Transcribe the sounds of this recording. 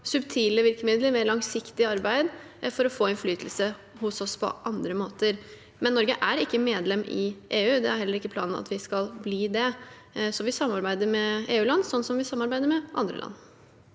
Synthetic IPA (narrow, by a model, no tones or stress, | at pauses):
sʉbt̪ʰiːləʋɪlkəmɪd̪ləɾmɛlɑŋsɪkt̪ɪɑɾbæɪd̪ | fɔɾɔfoːɪnflyːt̪ʰəl̩sə | hʊsɔspʰɔ̰ʔɑnd̪ɾəmoːt̪əɾ | mɛnːɔɾɡəʔæɾɪkːəmeːd̪lɛmʔɪ̰ʔeːʉːd̪ɛæɾhɛlːəɾɪkːəpʰlɑːnn̩ɑ̰t̪ʋɪskɑlbliːd̪ɛ | sɔʋɪsɑmːɑɾbæɪd̪əɾmɛeːʉːlɑnːsɔnːsɔmʋɪsɑmːɑɾbæɪd̪əɾmɛʔɑ̰nd̪ɾə̰ʔɑ̰nː